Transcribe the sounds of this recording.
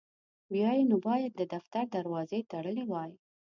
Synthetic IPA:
wjɑjenobɑjad̪̚ːəd̪aft̪aɾd̪aɾwɑzet̪aɽəlewɑj

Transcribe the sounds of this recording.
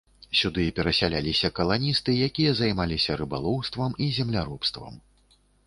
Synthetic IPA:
sʲud̪ɨpʲɛɾɐsʲalʲalʲisʲɐkɐlˠanʲist̪ɨjakʲijɐzajmalʲisʲɐɾɨba̰lˠɔwst̪vɐmizʲɛmlʲaɾupst̪vɐ̰m

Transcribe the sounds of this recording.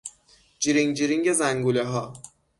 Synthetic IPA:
d͡ʒiɾiŋd͡ʒiɾiŋɟezæŋɡuleɦɒː

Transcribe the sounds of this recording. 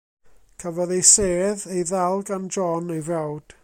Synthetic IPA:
kʰəvɔðejseːðejðɛlˠɡand͡ʒɔnejvawd̥

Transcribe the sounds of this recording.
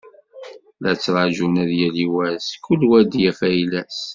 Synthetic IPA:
læt͡sːɾˤɑʒunæðjæliwæskːulwæd̪jæfæjlæs

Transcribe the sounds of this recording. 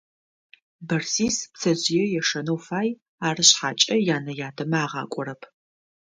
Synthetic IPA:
bɐrsiːspsʰɐzɪjɛjɛʂɐnɐwfaːj | aːrɨɕħaːt͡ʃʼɐjaːnɐjaːtʰɐmɐaːʁɑ̰ːkʷʼɔɾɐpʰ

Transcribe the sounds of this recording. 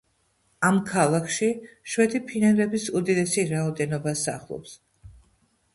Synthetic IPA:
amkʰalˠakʰʃiʃwɛt̪ʰipʰinɛnlɛbisud̪id̪ɛsiɾaɔd̪ɛnɔbasa̰χlˠɔ̰ps

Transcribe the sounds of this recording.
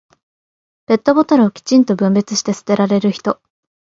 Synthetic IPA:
b̥e̞t̪ːo̞bot̪aɾɯ̟okʲi̥t͡ɕĩnt̪o̞bɯ̟̃mbe̞t͡sɨɕi̥t̪e̞sɨ̥t̪e̞ɾaɾe̞ɾɯ̟çi̥t̪o̞

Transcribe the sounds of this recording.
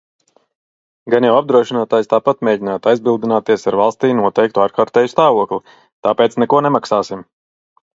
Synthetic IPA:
ɡanjawab̚d̪ɾuɔʃinaːt̪aːjst̪aːpat̪meːɟinaːt̪ajzbilˠd̪inaːt̪iɛsaɾvalˠst̪iːnuɔt̪ɛjk̚t̪uaːɾkaːɾt̪ɛːjust̪aːvuɔklˠi | t̪aːpeːt̪snɛkuɔnɛmaksaːsim

